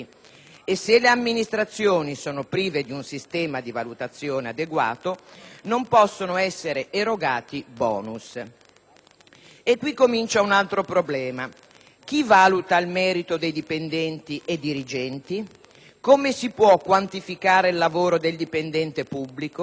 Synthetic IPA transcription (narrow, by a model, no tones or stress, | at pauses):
esːeleamːinist̪ɾat̪sːjoːnisoːnopɾiːved̪iunsist̪ɛːmad̪ivalut̪at̪sːjoːnead̪eɡwa̰ːt̪onompɔsːonoɛsːeɾeʔeɾoɡaːt̪ibɔːnus | ekːwikːomint͡ʃaunalt̪ɾopɾoblɛːma | k̟ivaːlut̪ailmɛːɾit̪od̪ejd̪ipend̪ɛnt̪iʔed̪iɾid͡ʒɛnt̪i | komesipwɔkːwant̪ifikaːɾeilːavoːɾod̪eld̪ipend̪ɛnt̪epubːliko